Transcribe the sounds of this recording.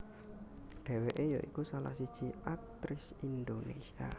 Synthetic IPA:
ɖ̪̥ɛ̤weʔejaʔikusala̰hsid̥ʒ̥iʔak̚t̪ɾɪs | ind̪onesia̰

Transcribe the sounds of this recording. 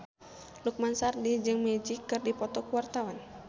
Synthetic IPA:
luk̚mansardid͡ʒɨŋmed͡ʒikɨrdipɔt̪ɔkuwart̪awan

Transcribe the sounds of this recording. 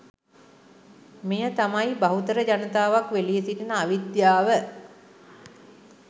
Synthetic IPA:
mejət̪amajbaɦut̪əɾəd͡ʒanət̪aːʋakʋelijesiʈinəaʋid̪jaːʋə

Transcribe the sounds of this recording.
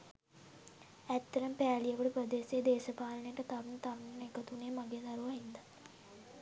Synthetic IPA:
æt̪ːɐɾəmpæːlijəʋəɖəpɾəd̪eːseːd̪eːsəpaːlənejʈət̪aʋunt̪aʋnnekət̪uneːmaɡed̪aɾuʋaɦind̪a

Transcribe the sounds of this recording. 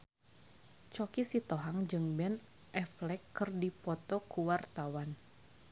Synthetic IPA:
t͡ʃɔkisit̪ɔɦaŋd͡ʒɨŋbɛn | ʔɛflɛkːɨrdipɔt̪ɔkuwart̪awan

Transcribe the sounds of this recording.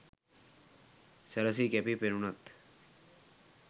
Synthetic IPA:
sɛɾɐs̬ikɛpipeɾunɐt̪

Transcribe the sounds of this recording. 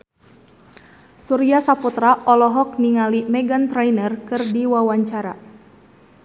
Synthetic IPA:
suɾiasaput̪ɾaʔɔlɔɦɔk̚niŋalimɛɡant̪ɾɛjnərkɨrdiwawaɲt͡ʃaɾa̰

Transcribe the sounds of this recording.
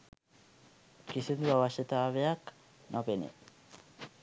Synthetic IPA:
kisend̪uaβaʃet̪aːβeak | nʔapenḛ

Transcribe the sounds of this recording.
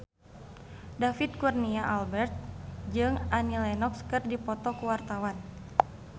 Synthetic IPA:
dafit̪̚kurniaʔalbɛrt̪̚d͡ʒɨŋanilɛnɔkskɨrdipɔt̪ɔkuwart̪awan

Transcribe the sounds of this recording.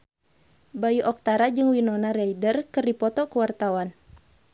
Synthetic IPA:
bajuʔɔk̚t̪aɾad͡ʒɨŋwinɔnaɾɛjdərkɨrdipɔt̪ɔkuwart̪awan

